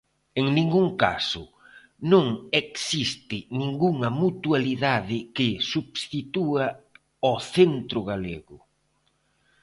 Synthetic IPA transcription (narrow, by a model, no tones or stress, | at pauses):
eŋnĩŋɡuŋka̰sʊ̰ | nõŋeksist̪ɪnĩŋɡuŋɐmut̪ualiðaðɪkɪsubst̪it̪ua | ɔθent̪ɾʊɣaleɣʊ